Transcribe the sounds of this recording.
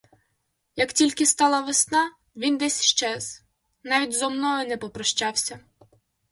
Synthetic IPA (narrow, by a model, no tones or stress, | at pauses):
jɐktʲilʲkɪst̪ɑlˠɐʋesnɑ | ʋʲind̪ɛsʲʃt͡ʃɛz | nɑʋʲidʲzɔmnɔɦɔnɛpɔpɾɔʃt͡ʃɑwsʲɐ